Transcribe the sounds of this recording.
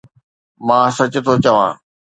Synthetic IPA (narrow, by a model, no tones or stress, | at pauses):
mãːsɐt͡ɕʊ̆t̪ʰot͡ɕɐʋã̰ː